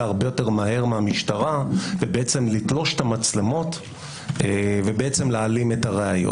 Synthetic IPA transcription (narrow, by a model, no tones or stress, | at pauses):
aʁbe̞jo̞te̞ʁmaɦe̞ʁmeamiʃtaʁavebeet͡se̞mlitlo̞ʃe̥tamat͡slemo̞t | evebeet͡semlealimetaʁeajo̰